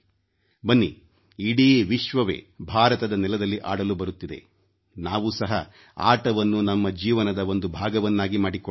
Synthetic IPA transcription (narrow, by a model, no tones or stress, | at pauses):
bɐnːiː | ɽiʋiʃʋɐʋḛːbʱaːɾɐt̪ɐd̪ɐnɛlɐd̪ɐlːiʔa̰ːɽɐlubɐɾut̪ːid̪e̞̰ | naːʋusɐɦɐ | a̰ːʈɐʋɐnːunɐmːɐd͡ʒiːʋɐnɐd̪ɐo̞nd̪ubʱaːɡɐʋɐnːaːɡimaːɽikɔ